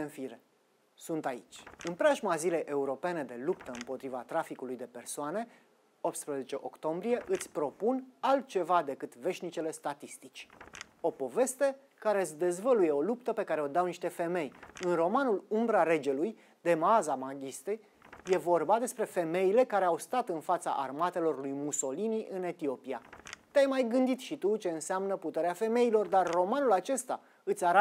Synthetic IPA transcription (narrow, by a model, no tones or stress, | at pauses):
enfiɾe | sunt̪ait͡ʃʲɨnpɾaʒmazile̞jʔe̞uɾo̞pe̞ne̞d̪e̞lupt̪əɨmpo̞t̪ɾivat̪ɾafikulujd̪e̞pe̞rsoane̞ | op̚t̪spɾəze̞t͡ʃe̞ʔo̞kt̪o̞mbɾije̞ʔɨt̪sʲpɾo̞punalt̪̚t͡ʃe̞vad̪e̞kɨt̪ve̞ʃʲnit͡ʃe̞le̞st̪at̪ist̪it͡ʃʲ | o̞po̞ve̞st̪e̞ | kaɾeɨsʲd̪e̞zvəluje̞o̞lupt̪əpe̞kaɾe̞o̞d̪awniʃt̪e̞fe̞me̞jɨnro̞manulumbɾaɾe̞d͡ʒe̞luj | d̪e̞mazamaɡʲist̪e | je̞vo̞rbad̪e̞spɾe̞fe̞me̞ile̞kaɾe̞awst̪at̪ɨnfat̪sa̰ʔa̰rmat̪e̞lo̞rlujmuso̞liniʔɨne̞t̪io̞pia̰t̪eajmajɡɨnd̪it̪ʃit̪ut͡ʃe̞ɨnseamnəput̪e̞ɾeafe̞me̞ilo̞rd̪arːo̞manulat͡ʃe̞st̪a | ɨt̪sʲaɾa